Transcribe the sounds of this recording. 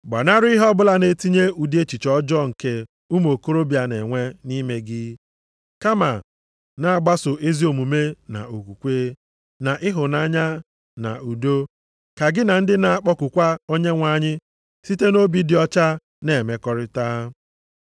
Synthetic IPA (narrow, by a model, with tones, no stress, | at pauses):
ɡ͡ba̰˨na˦ɾɪ˦ɦɔ˦bʊ˦la˦ne˦ti˦ɲe˦u˨de˦t͡ʃi˨t͡ʃɔ˦d͡ʒɔ˦ŋ̩˨ke˦ | u˦mo˨ko˦ɾo˦bja˨ne˨ŋʷe˦ni˦me˦ɡɪ˦ | ka˦ma˨ | na˨a˨ɡ͡ba˦sʊ˨ʔe˦zi˦o˨mu˨me˦na̰˨o˨kʷu˨kʷe˦ | na˨ʔɪ˦ɦʊ˨na˦ɲa˦ | na̰˨u˨do˦ | ka˨ɡɪ˦na˨n̩˦dɪ˦na˨a˨k͡pɔ˦kʊ˨kʷa˦o˦ɲe˦ŋʷa˦ɲɪ˦ | si˦te˦no˦bi˦dɪ˨ɔ˦t͡ʃa˦ | ne˦˨me˨kɔ˦ɾɪ˦taː˦